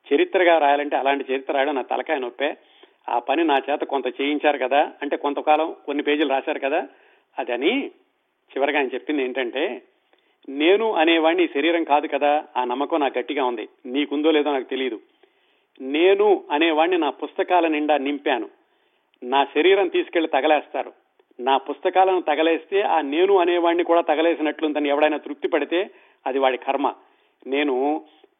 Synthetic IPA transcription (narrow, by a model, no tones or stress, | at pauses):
t͡ʃɐɾit̪ːɾɐɡaːɾaːjaːlɐɳʈe̞ːɐlaːɳʈit͡ʃɐɾit̪ːɾɐɾaːjɽɐnaːt̪ɐ̰lɐkaːjnɐopːeː | a̰ːpɐninaːt͡ʃɛːt̪ɐkont̪ɐt͡ʃeːjiɲt͡ʃaːɾukɐd̪aːɐɳʈe̞ːko̞nt̪ɐkaːlɐmkonːipe̞ːd͡ʒuluɾaːʃaːɾukɐd̪aː | ɐd̪iɐni | t͡ʃiʋɐɾɐɡaːnɐt͡ʃe̞pːind̪e̞ːɳʈɐɳʈe̞ː | ne̞ːnuʔɐnɛːʋaːɳːiːʃɐɾiːɾɐŋkaːd̪ukɐd̪aːaːnɐmːɐkɐːnaːkɡɐʈːiɡaːund̪iniːkund̪o̞ːleːd̪oːnaːku̥t̪e̞lijɐd̪u | ne̞ːnuɐnɛːʋaːɳninaːpust̪ɐkaːlɐniɳɖaːnimpaːnu | naːʃɐɾiːɾɐmt̪iːsu̥ke̞ɭːit̪ɐɡɐlɛːst̪aːɾṵ | naːpust̪ɐkaːlɐnut̪ɐɡɐleːst̪e̞ːʔaːne̞ːnuɐnɛːʋaːɳːikuːɽaːt̪ɐɡɐleːs̬inɐʈlunt̪ɐniɛʋːɐɽɐjnaːt̪ɾuk̚t̪ipɐɽit̪e̞ː | ɐd̪iʋaːɽikʰɐɾmɐ̰ | ne̞ːnu